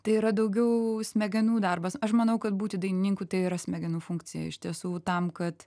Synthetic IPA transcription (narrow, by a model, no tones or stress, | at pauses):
t̪ɐɪiɾɐd̪ɐʊɡʲɛʊsʲmʲɛɡʲɛnuːd̪ɐrbɐsɐʃmɐnɐʊkɐt̪buːt̪ʲɪd̪ɐɪnʲɪnʲiŋkut̪ɐɪiɾɐsʲmʲɛɡʲɛnuːfʊŋkt͡sʲɪjɛ̰ɪʃʲt̪ʲiɛsuːt̪ɐmkɐt̪